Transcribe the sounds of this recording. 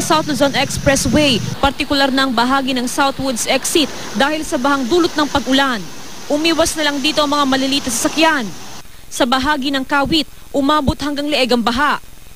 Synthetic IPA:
ɐsawt̪lozonʔɛkspɹɛswɛjpɐɾt̪ɪkʊlaɾnɐʔɐŋbɐɦaːɡinɐŋsawt̪wʊd̪sʔɛksɪt̪̚ | d̪aːhɪlsɐbɐhaŋd̪uːlʊt̪̚nɐŋpɐɡʔʊlan | ʔʊmiːwɐsnɐlɐŋd̪iːt̪o̞ʔɐŋmɐŋamɐlɪliːt̪ɐs̬ɐsɐkjan | sɐbɐɦaːɡinɐŋkaːwɪt̪̚ | ʔʊmaːbot̪̚hɐŋɡaŋlɛʔɛɡɐŋbɐɦaʔ

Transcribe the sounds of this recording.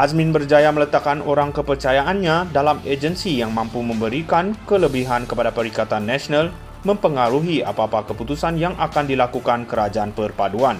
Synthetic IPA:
ʔasmɪnbərd͡ʒajamələt̪akːanoɾaŋkəpərt͡ʃajaʔanɲadalamed͡ʒənsijaŋmampuməmbəɾikankələbiɦankəpadapəɾikat̪anːasonal | mə̃mpəŋaɾuɦia̰papakəput̪usanjaŋʔakandilakukankəɾad͡ʒaanpərpaduan

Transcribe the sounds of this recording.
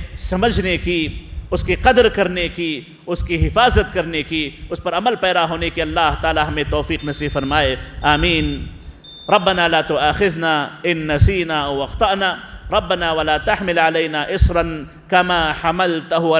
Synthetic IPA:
sɐməd͡ʒʱnekiʊskiqɐd̪ɾkɐɾneki | ʊskiɦɪfaːzət̪kɐɾnekiʊspɐɾɐməlpɛːd̪aɦoːnekiɐlːaːɦt̪aːlaɦɐmẽt̪ɔːfiːqnɐsiːfɐɾmaːeaːmiːn | ɾˤɐbːɐnaːlaːt̪ʊaːxɪðnaːɪnːɐsiːnaːɐwɐqt̪ˤɑʔnaːɾˤɐbːɐnaːwɐlaːt̪ɐħmɪlʕalejnaːʔɪsɾɐn | kɐmaːħamɐlt̪ʊɦʊ

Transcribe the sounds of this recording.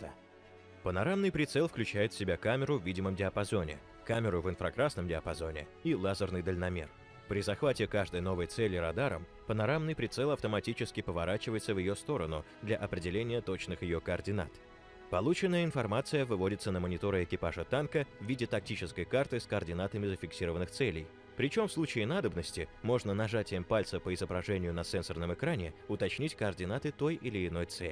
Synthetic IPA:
pənɐɾamnɨjpɾʲɪt̪sɛlˠfklʲʉt͡ɕæjɪt̪fsʲɪbʲakamʲɪɾʊvʲidʲɪməmdʲɪɐpɐzo̞nʲɪ̰ | kamʲɪɾʊvɨnfɾɐkɾasnəmdʲɪɐpɐzo̞nʲɪ̰ilˠazərnɨjd̪əlʲnɐmʲe̞̰r | pɾʲɪzɐxvatʲɪkaʐd̪əjno̞vəjt̪sɛlʲɪɾɐd̪aɾə̰m | pənɐɾamnɨjpɾʲɪt̪sɛlˠɐft̪əmɐtʲit͡ɕɪskʲɪpəvɐɾat͡ɕɪvəjɪt̪səvjɪjost̪o̞ɾənʊ̰ | d̪lʲɐʔɐpɾʲɪdʲɪlʲenʲɪjət̪o̞t͡ɕnɨxjɪjo̞kəɐrdʲɪna̰t̪ | pɐlˠut͡ɕɪnːəjəɪnfɐrmat̪sɨjəvɨvo̞dʲɪt̪sənəmənʲɪt̪o̞ɾɨɪkʲɪpaʐət̪ankəvvʲidʲɪt̪ɐk̚tʲit͡ɕɪskəjkart̪ɨskəɐrdʲɪnat̪əmʲɪzəfʲɪksʲiɾəvənːɨxt̪sɛlʲɪj | pɾʲɪt͡ɕo̞mfslˠut͡ɕɪɪnad̪əbnəsʲtʲɪmo̞ʐnənɐʐatʲɪjəmpalʲt̪səpəɪzəbɾɐʐɛnʲɪjʊnɐsɛnsʲərnəmɨkɾanʲɪʊt̪ɐt͡ɕnʲitʲkəɐrdʲɪnat̪ɨt̪ojɪlʲɪːɪno̞jt̪sɛ̰lʲɪ

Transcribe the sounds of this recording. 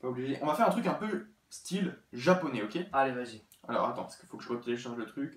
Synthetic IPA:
paubliʒeʔɔ̃vafɛʁɛ̃t̪χykɛ̃pø | st̪ʰilʒapɔnɛokʲealevaʒi | a̰lɔ̰ʁat̪ɑ̃pḁskəfokəʒəʁət̪leʃãʁʒlət̪χykʲ

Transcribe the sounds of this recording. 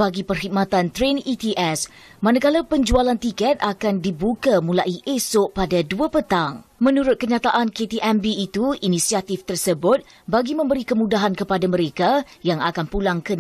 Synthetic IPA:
baɡipərɦik̚mãt̪ant̪ɾenit̪iʔɛs | mãnakalapəɲd͡ʒualant̪ikɛt̪̚akandibukamũlaʔiʔesoʔpadaduapət̪aŋmə̃nuɾʊt̪̚kəɲãt̪aʔanket̪iʔɛmbiːt̪uinĩsiat̪ift̪ərsəbʊt̪̚ | baɡimə̃mbəɾikəmũdaɦankəpadamə̃ɾekajaŋakanpulaŋkən

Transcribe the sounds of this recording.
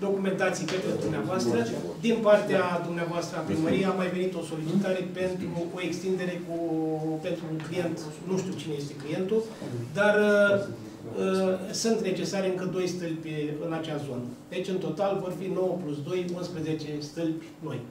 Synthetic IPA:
d̪o̞kume̞nt̪at̪sijpet̪ed̪umneavoast̪ɾə | d̪inpart̪ead̪umneavoast̪ɾəapɾiməɾijeamːajve̞nit̪o̞so̞lit͡ʃit̪aɾe̞pe̞nt̪ɾuo̞e̞kst̪ind̪e̞ɾe̞kupe̞nt̪ɾuːŋklije̞nt̪ | nuʃt̪iut͡ʃineje̞st̪e̞klije̞nt̪ud̪ar | əsɨnt̪ne̞t͡ʃe̞saɾeɨŋkəd̪o̞jst̪ɨlpʲɨnat͡ʃazo̞̰nəd̪̥et͡ʃʲɨnt̪o̞t̪alvo̞rfino̞wəplusd̪o̞junspɾəze̞t͡ʃe̞st̪ɨlpʲno̞̰j

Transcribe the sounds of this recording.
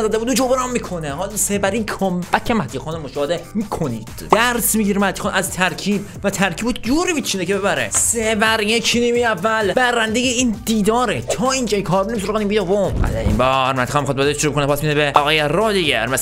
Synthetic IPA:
zæd̪ebud̪ud͡ʒobeɾæmmikʰoneɦɒlsebæɾikʰombæcʰemæt̪ʰːixɑːnemoʃɒːhed̪emikʰoniːd̪̥d̥̪æɾsmiɟiɾmæt̪ʰːi̥xɑnʔæzt̪ʰæɾcʰiːb | væt̪ʰæɾkʰiːbud͡ʒuɾimit̪t͡ʃʰinekʰebeβæɾḛsebæɾiekʰinimiævːælbæɾænd̪ejeind̪iːd̪ɒːɾet̪ʰɒːind͡ʒɒːjikʰɒːɾbenems̬oɾʁænimbijd̪ovomæ̰d̪æḭmbɒːɾmæt̪ixɔnmixɑd̪̚bɒd̪eʃoɾubekonpʰasmid̪beʔɒɣɒːjeɾɒːd̪iɡɟḛɾmæs

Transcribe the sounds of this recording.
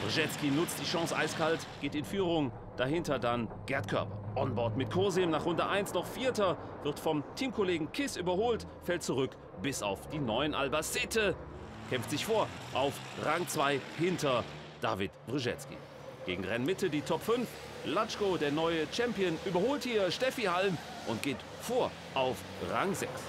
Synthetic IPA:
v̥ʁiʒɛt͡skinʊt͡st̚d̥iːʃɔ̃ŋsʔa̰ɪskaltɡ̥eːtɪnfyːʁʊŋ | d̥aɦɪntɐdanɡ̥ɛɐtkʰœ̰ɐpɐ̰ʔɔnbɔɐtmɪt̚kʰɔːzimnaːχʁʊndəʔaɪnsnɔχfiːɐtɐ | v̥ɪɐtfɔmtʰiːmkʰoleːɡŋ̩kʰɪsʔyːbɐhoːlt | fɛlt̚t͡suʁʏk | b̥ɪsa̰ʊfd̥iːnɔʏənʔa̰lbasɛːtʰə | kʰɛmftz̥ɪçfoːɐʔaʊfʁaŋt͡sv̥aɪhɪntɐ | d̥a̰ːvɪtv̥ʁiʒɛ̰t͡skḭ | ɡ̥eːɡŋ̩ʁɛnmɪtədiːtʰɔpfʏnf | lat͡ʃkodeːɐnɔʏət͡ʃɛmpiənʔyːbɐhoːlthiːɐʃtɛfihalm | ʔʊnt̚ɡ̥eːt | foːɐ | ʔaʊf | ʁa̰ŋzɛks

